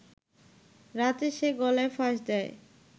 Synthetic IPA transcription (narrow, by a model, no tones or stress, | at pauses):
ɾat̪eʃeɡɔlaefaʃd̪ɛe